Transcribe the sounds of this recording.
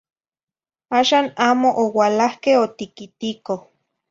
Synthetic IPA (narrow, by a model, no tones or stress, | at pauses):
aːʃaːnaːmoʔowalahkehot̪ikit̪ikoh